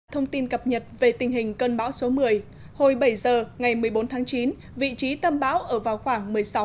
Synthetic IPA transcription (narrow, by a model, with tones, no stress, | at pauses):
t̪ʰə˧wŋ͡mt̪i˧nkə˨˩p̚ɲə˨˩t̚ve˨˩t̪ï˨˩ŋ̟ɦï˨˩ŋ̟kə˧nɓa̰ː˧˥wso˨˦mɨ˨˩əj | ho˧jɓə˧˩jzəː˨˩ŋa˨˩jmɨ˨˩əjɓo˨˦nt̪ʰaː˨˦ŋt͡ɕi˨˦n | vḭ˧˨t͡ɕi˨˦t̪ə˧mɓa̰ː˧˥wʔəː˧˩vaː˨˩wxwaː˧˩ŋmɨ˨˩əjsa˨˦w